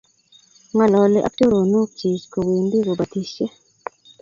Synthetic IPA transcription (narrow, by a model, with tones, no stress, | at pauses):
ŋa˨lɔ˨lɪ˦ʔa̰˦k̚to˦ɾo˨nu˦k̚t͡ʃi˨sko˨wi˨ndi˦ɡo˨ba˨t̪i˨ʃɛ˦